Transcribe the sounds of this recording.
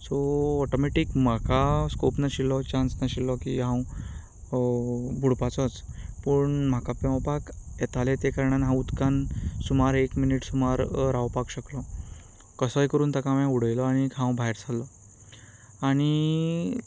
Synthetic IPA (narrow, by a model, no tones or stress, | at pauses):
sɔɔʈɔmeʈikm̤akaskopnaɕilɔt͡ɕansnaɕilːɔkiɦãw | bʱuɽpat͡sɔt͡spəɳm̤akapãwpaket̪alet̪ekəɾɳanɦãut̪kansumaɾekminiʈsumaɾɾawpakɕəklɔ | kəsəjkəɾuːnt̪akamãuɽ̤əjlɔaɽ̃ikʰãw̃bʱaeɾd͡zʰʱalːɔ | aɽ̃i